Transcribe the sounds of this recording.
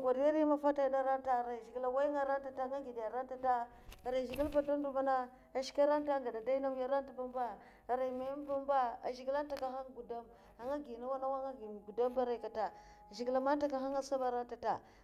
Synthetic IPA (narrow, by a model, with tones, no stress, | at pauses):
ɡʷa˨dja˦ɾi˦ma˦fa˦ta˦da˦ɾa˦nta˨ɾa˨ʒi˨ɡi˨la˨wa˦jŋa˦ɾa˦nta˨ta˦ŋa˦ɡi˨dja˨ɾa˦n˦ta˦ta˦˨ | ɾa˨ʒi˨ɡi˦lpa˦do˦ndu˦ma˦na˦ | a˨ʃi̥˦ka˦ɾa˦nta˦ŋ˨ɡa˨da˨da˦i˦na˦m˦ja˦ɾa˦n˦ta˨ba˦mba˦˨ | ɾa˨i˨ma˨˦m˦ba˦mba˦a̰˨ʒi˨ɡi˦la˦n˦ta˨ka˦xa˦ŋɡu˨da˦m | a˨ŋa˦ɡi˨na˦wa˦na˦wa˦ŋa˦ɡi˨ɡu˨da˦mba˦ɾa˦˨ka˨ta˨ | ʒi˨ɡi˨la˨ma˦nta˦ka˨ɦa˦ŋa˦sa˦ba˨ɾa˦nta˨ta̰˨